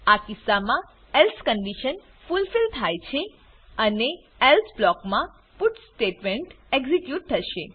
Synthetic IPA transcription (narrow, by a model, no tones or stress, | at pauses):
akisːamã | elskəɳɖiʃən | fulfilt̪ʰajt͡ʃʰe | əne | elsblɔkmã | puʈsʈeʈmeɳʈ | eɡzikjuʈ̚t̪ʰːəʃe